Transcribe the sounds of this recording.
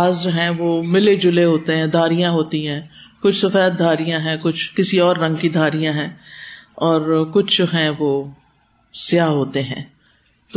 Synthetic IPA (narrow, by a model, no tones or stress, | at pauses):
aːzd͡ʒoɦɛ̃ːʋoːmɪled͡ʒʊleɦoːt̪eɦɛ̃d̪ʱaːɾijãɦoːt̪ĩɦɛ̃ːkʊt͡ʃʰsɐfɛːt̪̚d̪ʱaːɾijãɦɛ̃kʊt͡ʃʰkɪsiɔːɾːɐ̃ŋɡkid̪ʱaːɾijãɦɛ̃ː | ɔːɾkʊt͡ʃʰd͡ʒoɦɛ̃ʋoː | sɪjaːɦoːt̪eɦɛ̰̃ː | t̪o